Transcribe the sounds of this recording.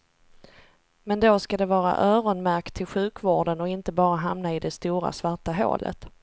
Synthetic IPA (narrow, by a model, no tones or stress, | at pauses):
mɛnd̪oskad̪ɛvɑːɾa̰ʔœːɾɔnmæɾkt̪ʰɪlɧʉ̟ːkvoːɖənɔɪnt̪əbɑːɾaɦamnaɪd̪ɛst̪uːɾa̰svaʈːaɦo̰ːlʔə̰t̪